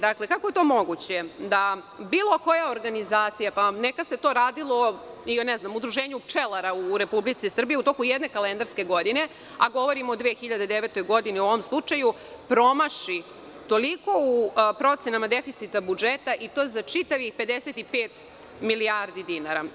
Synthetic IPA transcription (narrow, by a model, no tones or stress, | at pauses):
d̪akle̞kakoje̞t̪oːmo̞ɡut͡ɕed̪a | biːlˠo̞ko̞jaoɾɡanizaːt̪sijapanekase̞t̪o̞ɾaːd̪ilˠo̞ioneznamud̪ɾuʒeːɲupt͡ʃelˠaɾauɾe̞publit̪sisr̩bijeut̪o̞kujed̪ne̞kalend̪aɾske̞ɡo̞d̪ine̞ | aɡo̞ʋo̞ɾimoːd̪ʋeːxiʎad̪ed̪eʋet̪o̞jɡo̞d̪iniooʋomslˠut͡ʂaju | pɾo̞maʃi | t̪o̞liko̞upɾo̞t̪senamad̪efit̪sit̪abud͡ʒet̪aʔit̪o̞ːzat͡ʂit̪aʋixpe̞d̪eset̪ipeːt̪ | miliaɾd̪id̪inaɾa